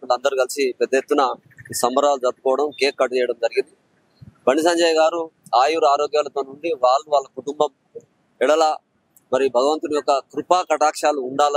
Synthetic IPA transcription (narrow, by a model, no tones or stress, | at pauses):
ulɐnd̪ɐɾuɡɐlisipɛd̪ːɐjet̪ːunɐ | isɐmbɐɾaːlud͡ʒɐɾb̪ukɔːʋɐɽɐmkeːkːɐʈt͡ʃɛːjɐɽɐmd͡ʒɐɾiɡind̪i | bʱɐɳisɐɲd͡ʒaːjɡaːɾu | aːjuːɾuaːɾoːɡjaːlɐt̪o̞ːnuɳɖiʋaːɭːuʋaːɭːɐkuʈumbɐm | ɛɽɐlaː | mɐɾibʱɐɡɐʋɐnt̪unijɔkɐkɾupaːkɐʈaːkʂaːluːɳɖaːl